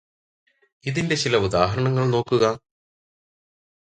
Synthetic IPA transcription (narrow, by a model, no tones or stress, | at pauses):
iðinde̞t͡ɕilɐud̪aːɦɐɾɐɳɐŋːɐɭno̞ːkːuɣɐ